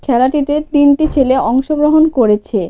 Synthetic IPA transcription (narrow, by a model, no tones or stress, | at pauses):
kʰɛlaʈit̪et̪inʈit͡ɕʰeleɔŋʃoɡɾoɦonkoɾet͡ɕʰe